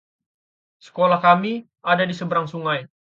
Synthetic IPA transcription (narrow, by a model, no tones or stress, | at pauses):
sə̥kolahkami | adadisəbəɾaŋsuŋaj